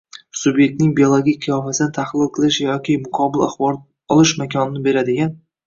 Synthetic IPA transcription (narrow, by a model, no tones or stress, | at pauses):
sʊbje̞k̚ʲt̪nɪŋbiolˠoɡʲikʲqʰɨjɒfasɪd̪ɪt̪ʰahlɪlˠqʰɨlˠɪʃjɒkʲɪmʊqʰɒbɪla̰χbɒɾ | ɒlˠɪʃmakʲʰɒnɪnɪbe̞ɾad̪ɪɡʲan